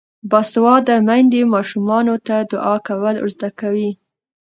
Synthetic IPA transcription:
bɑswɑd̪əmand̪emɑʃumɑnot̪ad̪ʊʔɑkawəlʊ̰zd̪akawi

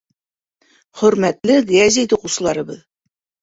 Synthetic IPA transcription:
χɵ̆ɾmæt̪lɘɡæzʲijt̪uqusɤ̆lˠɑɾɤ̆bɤð

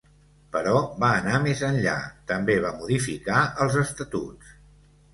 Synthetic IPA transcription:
pəɾɔβaənamezənʎa̰t̪əmbeβ̞amuðifikaəlˠzəst̪ət̪ṵts

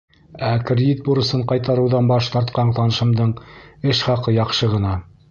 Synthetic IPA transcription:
ækrʲɪd̪it̪̚buɾɤ̆sɤɴqɑjt̪ɑɾɤ̆wðɑnbɑʃt̪ɑɾt̪qɑɴt̪ɑnɤ̆ʃɤ̆md̪ɤɴɘʃχɑqɤjɑqʃɤʁɤ̆nɑ

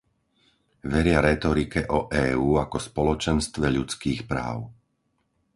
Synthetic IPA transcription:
ʋɛɾɪaɾɛt̪ɔɾikɛʔɔʔɛːuːakɔspɔlɔt͡ʃɛnst̪ʋɛʎut͡skiːxpɾa̰ːʊ

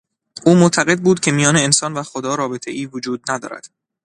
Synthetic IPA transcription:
ʔuːmot̪ʰæɣe̞d̪̚buːd̪cʲʰe̞mijɒːneːnsɒːnvæxod̪ɒːɾɒːbe̞t̪ʰe̞̰ʔiːvod͡ʒuːd̪̚næd̪ɒ̰ːɾæ̰d̪̥

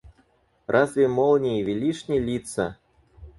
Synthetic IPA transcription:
rʔazvʲɛmɔlˠnʲivʲilʲiʂnʲilʲit̪sɐ̰

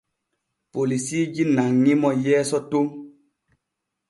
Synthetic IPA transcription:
polisid͡ʒinaŋːimɔjɛːsɔtoŋ

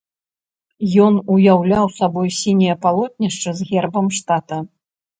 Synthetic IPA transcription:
jɔnujawlʲawsabɔjsʲinʲijɐpalˠɔt̪̚ʲnʲiʂt͡ʂɐzɣʲɛrbɐmʂt̪at̪ɐ

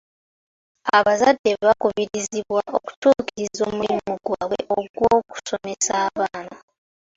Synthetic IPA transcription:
aβazadːe̞ββakuβiɾiziβwaoku̥tuːkiɾizo̞ːmuimumuɡwaːwe̞ʔoɡwoːku̥so̞me̞saːβaːna

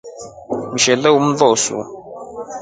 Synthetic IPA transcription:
m̩ʃɛləwumvɔsṵ

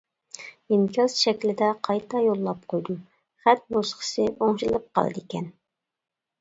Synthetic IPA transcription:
imkʲʰɑzʃɛkʲlɪd̪ɛqʰɑjt̪ʰɑjolˠːɑp̚qʰojd̪u | χæt̪̚bosqə̥sɨʔoŋʃilˠɨp̚qʰɑ̰lˠɨ̰d̪ɨekʲʰɛn

